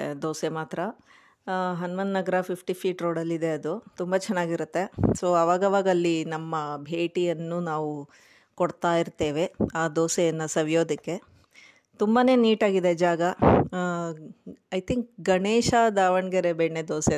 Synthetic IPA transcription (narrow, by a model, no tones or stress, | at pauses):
d̪oːsemaːt̪ɾɐ | ɦɐnʋɐnd̪nɐɡɐɾɐpʰipʰʈipʰiːʈɾoːɽɐlːid̪e̞ɐd̪ut̪umbɐt͡ʃɛnːaːɡiɾut̪ːesoːɐʋaːɡɐʋaːɡɐlːinɐmːɐbʱe̞ːʈijɐnːuːnaːʋu | kɔɽt̪aːjiɾt̪ːe̞ːʋe̞aːd̪oːsejɐnːɐsɐʋijo̞ːd̪ɐkːe̞ | t̪umbane̞ːniːʈaːɡid̪ed͡ʒaːɡɐ | ɐjt̪ʰiŋk̚ɡɐɳeːʃad̪aːʋɐɳɡeɾebeɳːed̪oːse